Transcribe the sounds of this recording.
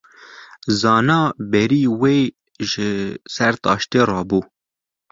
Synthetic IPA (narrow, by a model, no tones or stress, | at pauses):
zɑːnɑːbɛɾiːweː | ʒɪsɛɾt̪ɑ̰ːʃt̪eːrɑːbuː